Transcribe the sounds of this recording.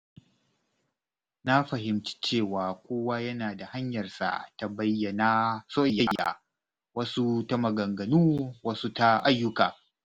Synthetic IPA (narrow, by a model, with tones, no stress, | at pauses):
na˦ɸɐ˨hɪ˨mt͡ʃi̥˦t͡ʃeː˦˨waː˨kʷoː˦wa˦jɐ˦naː˨da˨ha˦ɲjɐ˨rsa̰˨ta˨bɐ˦jːɐ˨na˦soː˦jɐ˦ja̰˨ | wɐ˦su˦tɐ˦mɐ˨ɡɐ˨ŋɡɐ˨nuː˦wɐ˦su˦ta˦ʔa˦jːʊ˦ka̰ː˨